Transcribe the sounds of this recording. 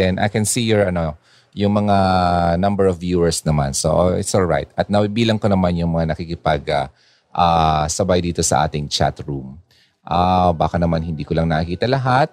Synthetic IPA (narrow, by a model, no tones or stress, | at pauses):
ɛnʔɐ̰jkɛnsijɔɹɐno̞ | jʊŋmɐŋanɐmbɛɹɔvjuːɛɹsnɐma̰nso̰ɪ̰t̪solɹa̰jt̪̚ɐt̪̚nɐwibiːlɐŋko̞nɐmanjʊŋmɐŋanɐkikɪpaɡa | ʔasɐbajd̪iːt̪o̞sɐ̰ʔa̰ːt̪ɪŋt͡ʃa̰t̪ɹum | ʔabaːkɐnɐmanhɪnd̪iːkolɐŋnɐɐkiːt̪ɐlɐɦat̪̚